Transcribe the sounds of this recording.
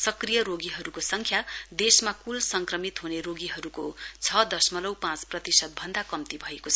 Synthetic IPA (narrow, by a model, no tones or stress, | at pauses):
sʌkrijʌɾoɡiɦʌɾukosʌŋkʰjad̪esmakulsʌŋkrʌmit̪ɦuneɾoɡiɦʌɾukot͡sʰʌd̪ʌsmʌlʌwpãt͡sprʌt̪isʌt̪̚bʱʌnd̪akʌmt̪ibʱʌekot͡sʰʌ